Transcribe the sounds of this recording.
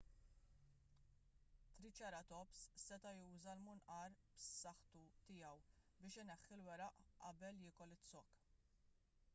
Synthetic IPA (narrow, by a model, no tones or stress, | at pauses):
t̪ɾɪt͡ʃɐɾɐt̪ɔpssɛt̪ɐjuːzɐlmʊnʔɐːɾbsɐħt̪ut̪ɪjɐwbɪːʃɪnɛħːɪlwɛɾɐʔʔɐ̰bɛljɪːkɔlɪt͡sːɔkː